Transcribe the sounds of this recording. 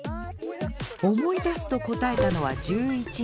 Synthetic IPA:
o̞mo̞id̪asɨ̥t̪o̞ko̞t̪ae̞t̪ano̞βad͡ʑɨːit͡ɕi

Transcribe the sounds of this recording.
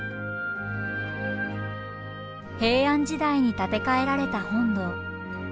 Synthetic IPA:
he̞ːãɲ̟d͡ʑid̪aiɲ̟it̪at̪e̞kae̞ɾaɾe̞t̪ahõ̞nd̪o̞

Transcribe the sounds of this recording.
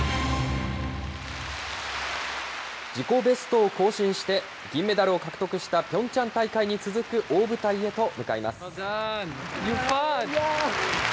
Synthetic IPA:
d͡ʑiko̞be̞sɨ̥t̪o̞ːko̞ːɕĩɰ̃ɕi̥t̪e̞ | ɡʲĩmːe̞d̪aɾɯ̟o̞kakɯ̟̥t̪o̞kɯ̟ɕi̥t̪apʲõ̞ɲ̟t͡ɕãnt̪aikaiɲ̟it͡sɨzɨkɯ̟ʔo̞ːbɯ̟t̪aie̞t̪o̞mɯ̟kaima̰sɨ̥

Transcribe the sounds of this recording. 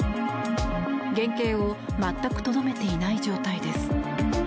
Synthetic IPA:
ɡẽ̞ŋke̞ːo̞ | mat̪ːakɯ̟̥t̪o̞d̪ome̞t̪e̞inaid͡ʑo̞ːt̪aid̪e̞sɨ̥

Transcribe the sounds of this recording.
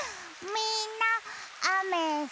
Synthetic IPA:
mina | amɛ

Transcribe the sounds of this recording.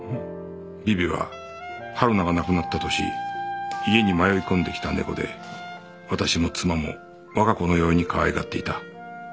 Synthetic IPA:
bʲibʲiβa̰ | haɾɯ̟naɡanakɯ̟nat̪ːat̪o̞ɕḭ | ie̞ɲ̟imajo̞ikõ̞nd̪e̞kʲi̥t̪ane̞ɡo̞̰d̪e̞̰ | βat̪aɕimo̞t͡sɨmamo̞̰ | βakako̞no̞jo̞ːɲ̟ikʰaβaeɡa̰t̪ːe̞it̪a

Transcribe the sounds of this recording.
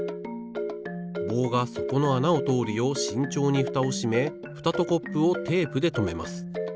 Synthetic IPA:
bo̞ːɡaso̞ko̞no̞anaot̪o̞ːɾʲio̞ɕĩɲ̟t͡ɕo̞ːɲ̟iɸɯ̟̥t̪ao̞ɕime̞ | ɸɯ̟̥t̪at̪o̞ko̞pːɯ̟ot̪ʰe̞ːpɯ̟d̪e̞t̪o̞me̞ma̰sɨ̥

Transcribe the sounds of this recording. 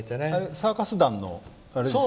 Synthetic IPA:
t̪ːeneaɾesaːkasɨd̪ãnːo̰ | aɾeo

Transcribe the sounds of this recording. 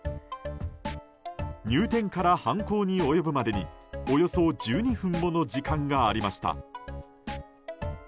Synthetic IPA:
ɲʲɨːt̪ẽ̞ŋkaɾahãŋko̞ːɲ̟io̞jo̞bɯ̟mad̪e̞ɲ̟iojo̞so̞d͡ʑɨːɲ̟iɸɯ̟̃mbo̞no̞d͡ʑikãŋɡaːɾʲimaɕi̥t̪a̰

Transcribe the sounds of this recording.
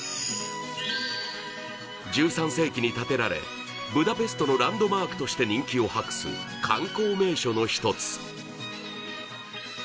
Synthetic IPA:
d͡ʑɨːsãɰ̃se̞ːkʲiɲ̟it̪at̪e̞ɾaɾe̞̰ | bɯ̟d̪ape̞sɨ̥t̪o̞no̞ɾãnd̪o̞maːkɯ̟̥t̪o̞ɕi̥t̪e̞ɲ̟ĩŋkʲio̞hakɯ̟̥sɨ̰kʰãŋko̞ːme̞ːɕo̞no̞çi̥t̪o̞t͡sɨ̥

